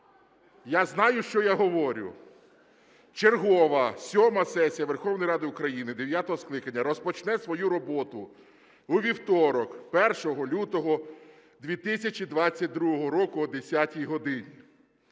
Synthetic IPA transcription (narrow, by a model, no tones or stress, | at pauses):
jaznɑjʊʃt͡ʃɔjaɦɔʋɔɾʲʊ̰ | t͡ʃerɦɔʋɐsʲɔmɐsɛsʲijɐʋerxɔwnɔjɾɑd̪ɪʊkɾɐjinɪd̪eʋʲjat̪ɔɦɔsklˠɪkɐnʲːɐɾɔspɔt͡ʃnɛsʋɔjuɾɔbɔt̪ʊ | uʋʲiwt̪ɔɾɔkpɛrʃɔɦɔlʲut̪ɔɦɔ | d̪ʲʋʲit̪ɪsʲɐt͡ʃʲid̪ʋɑt͡sʲːɐt̚ʲd̪ɾuɦɔɦɔɾɔkʊɔd̪esʲatʲijɦɔd̪ɪnʲi